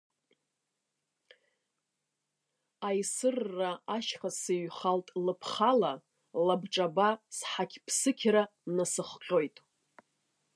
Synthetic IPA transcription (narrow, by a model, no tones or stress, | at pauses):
ajsɨrːaaʃχaseɥχaltʼlɨpʰχala | labʈ͡ʂʼabasħakʲʰpʰsɨkʲʰɾanasɨχqʲʼo̞jtʼ